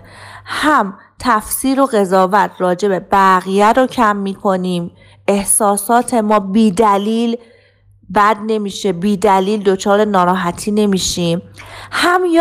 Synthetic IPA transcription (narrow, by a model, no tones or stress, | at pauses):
hæm | t̪ʰæfsiːɾo̞ɣe̞zɒːvæt̪ʰɾɒːd͡ʒe̞be̞bæɣijæɾocʰæmːiːkʰo̞niːm | e̞hsɒːsɒːt̪ʰe̞mɒːbiːd̪æliːl | bæd̪ne̞miːʃe̞biːd̪æliːld̪ot͡ʃʰɒːɾenɒːɾɒːɦæt̪ʰiːne̞miːʃiːmhæmj